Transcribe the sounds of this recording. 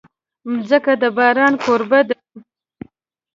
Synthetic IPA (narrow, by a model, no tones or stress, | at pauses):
mzəkad̪əbɑːɾɑnkoɾbad̪